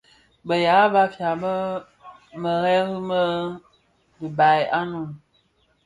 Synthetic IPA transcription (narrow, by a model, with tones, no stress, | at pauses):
bə˨ja˨˦ba˦fja˨bə˦ | mə˨ɣɛ˦ɣi˦mə˦ | bi˨ba˨ja˦nu˨m